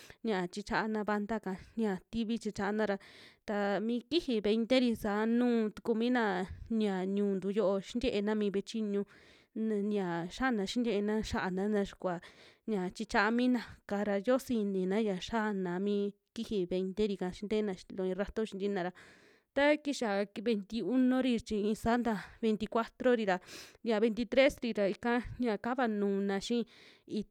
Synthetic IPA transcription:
ɲã˨t͡ʃi˧t͡ʃa˧ʔa˧nã˧βa˧nd̪a˦kã˨ɲã˨t̪i˦βi˦t͡ʃi˧t͡ʃa˧ʔa˧nã˦˧ɾa˧t̪a˧mĩ˧˦ki˦hi˧βe˧i˧nd̪e˦ɾi˧sa˨˦nũː˦˨t̪u̥˧ku˧mĩ˦nã˧n˧ã˨ɲũː˧˦nd̪u˧jo˦ʔo˧ʃi˦nd̪ʲe˦ʔe˧nã˦mĩː˧βe˧t͡ʃi˦ɲũ˧ | ɲ˧ã˨ʃa˦˨nã˧ʃi˦nd̪ʲje˦˧ʔe˧nã˦ʃa˦ʔa˧nã˧˦nã˧ʃi̥˧kʷa˨ɲã˨t͡ʃi˧t͡ʃa˧ʔa˧mĩ˦nã˧ka˧ɾa˧jo˦si˧nĩ˨nã˦ja˨ʃa˦ʔnã˨mĩː˦ | ki˦hi˧βe˧nt̪e˦ɾi˧kã˧ʃi˧˦nd̪e˦nã˧ʃi˧lo˧ĩ˧ɾa˦t̪o˦ʃi˧nd̪i˧˦nã˧ɾa˧ | t̪a˦ki˦ʃa˨˧βe˧nt̪i˧u˦nõ˦ɾi˧t͡ʃĩ˧ĩ˧saː˦nd̪a˧βe˧nt̪i˧kʷa˦t̪ɾo˦ɾi˧ɾa˨ja˨βe˧nt̪i˧t̪ɾe˦sɾi˧ɾa˨i˧kã˦ɲã˧˨ka˦βa˧nũː˨nã˧ʃĩ˦i˧

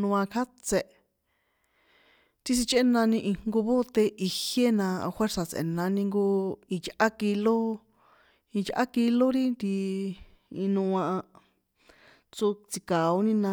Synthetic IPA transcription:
nũ˧ã˧kʰa˦t͡se˧ʔ | t̪i˦s̬i˧t͡ʃʔe˦nã˧nĩ˧ʔi˧ŋ̥ŋɡo˧βo˦t̪e˧ʔi˧hje˦nã˧xwʷe˦ɾsa˨t͡sḛ˨nã˧nĩ˧ŋɡo˧i˧t͡ʃʔa˦ki˧lo˦ | ĩ˧t͡ʃʔa̰˦ki˧lo˦ɾi˦nd̪i˧ | ĩ˧nũ˧ã˧ʔa˧ | t͡so˧t͡si˧ka˨o˧˦nĩ˦nã˧

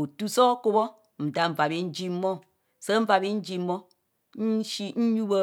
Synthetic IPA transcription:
o˨tu˦sɔ˦ko˦bɔ˦ | m̩˨da˨m̩˨a˨bi˦n̩˦d͡ʒi˦mɔ˦ | sə˦m̩˦va˨bi˦n̩˦d͡ʒi˦mːɔ˦ | ʃi˦n̩˦ɲu˦bə˦

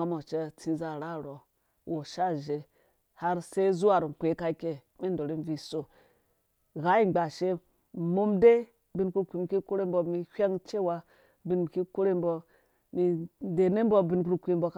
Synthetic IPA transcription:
a˦mo˨t͡ʃe˦t͡si˦za˨ɾa˦ɾo˨ | wo˨ʃa˦ʒe˨ | ha˦ɾse˦zu˦a˨ɾi˨kʷe˨˦ka˦i˦ke˦ | mi˦ndo˨ɾi˦n˦vi˨so˨ | ɣa˦i˦˨ɡ͡ba˨ʃe˦˨ | mo˦mde˦ | bi˦nku˦kʷi˨mi˨ki˦ko˦ɾe˦mbo˨mi˨hʷʲa˦ŋt͡ʃe˦wa˦ | bi˦nmi˨ki˦ko˦ɾe˦mbo˦ | mi˨de˨ne˦m˦bo˦bi˦nku˦ɾkʷi˦˨mbo˦k

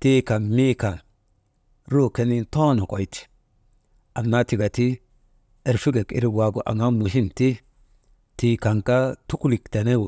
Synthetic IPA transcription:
ti˦ka˨nmi˦ka˨n | ɾu˦˨ke˦ni˦to˦no˨ko˨jti̥˨ | a˨nːa˦ti˨ɡa˨ti˦ | e˨ɾfi˦ɡe˨kḭ˨ɾi˦wa˨ɡu˨ʔa̰˨ŋa˦mu˨ʃi˦mti˦ | ti˨ka˨ŋka˦tu˦kli˨kte˨ne˦wu˨

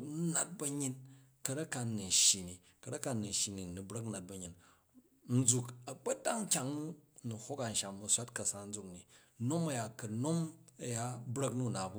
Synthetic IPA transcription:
nu˦na˨t̚bɐ˧ɲi˦n | kɐ˧ɾɐ˦ka˧nu˨n̩˨ʃji˨ni˨ | kɐ˨dɐ˦ka˧nu˨n̩˨ʃi˨ni˨nu˨bɾɐ˦kna˨t̚bɐ˨ɲi˨n | n̩˦d͡zu˧kɐ˨k͡pɐ˦ta˦ŋ˦kʲa˨ŋnu˨ho˦ka˨n̩˨ʃa˨mːu˧sʷa˦tkɐ˨sa˨n̩˦d͡zu˦kni˨ | no˦mɐ˦ja˨kɐ˨no˦mɐ˨ja˦bɾɐ˦knu˦˨na˨bu˦

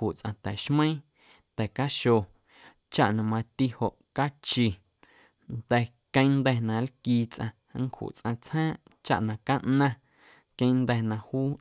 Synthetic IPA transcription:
hu˨t͡sʔã̰˧t̪ɛ˨ʃmə̃˦ĩ˦ | t̪ɛ˨ka˦ʃo˧˨ | t͡ʃa˦ʔnã˧mã˧t̪i˧ho˨ʔka˦t͡ʃi˧ | nd̪ɛ˧ | kə̃˦nd̪ɛ˧nã˧lkiː˧t͡sʔã̰˧˦ŋ˦khṵ˨ʔt͡sʔã˧t͡shãː˦ʔ | t͡ʃa̰˦ʔnã˧ka˦ʔnã˦ | kə̃˧˦˧nd̪ɛ˧nã˧huː˦

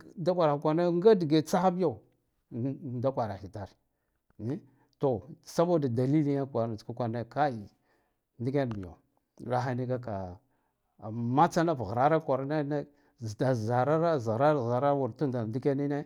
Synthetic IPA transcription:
da˦kʷa˨ɾa˨i˨kʷa˨na˦ŋɡa˦di˨ɡe˨t͡sa˦xa˦bi˦ja˦u˨ | da˦kʷa˨ɾa˨hi˨ta˨ɾ | ni˦ | to˨sa˦bo˦da˨da˨li˦li˦ja˦kʷa˨nḁ˨ku˦kʷa˨na˦ka˦i˨ | ndi˦ka˦n˨mi˨ja̰˨ | ɾa˦ɦa˦ni˦ɡa˦ka˨ | ma˦t͡sa˦na˦vɣɾa˦ɾa˦kʷa˨ɾne˦na˦˨ | da˨za˨ɾa˦ɾa˦za˨ɾa˦˨za˨ɾa˦wu˨ɾtu˦nda˨di˦ka˦ni˦ne˦

